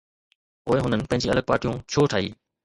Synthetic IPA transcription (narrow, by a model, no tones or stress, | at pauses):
oːeɦʊnənɪ̆pɐ̃ɦɪ̃ɲd͡ʑeɐ̰ləɡ̚paːʈijũt͡ɕʰoːʈʰaːḭː